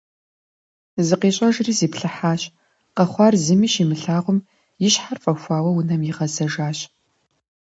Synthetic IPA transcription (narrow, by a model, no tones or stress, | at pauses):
zɨqeːɕʼɐʒriːziːpɬɨħaːɕ | qɐχʷɑːrzɨmiːʃimɨɬaːʁʷʊm | jɪɕħarfʼɐxʷɑːwɐwʊnɐmjɪʁɐzɐʒaːɕ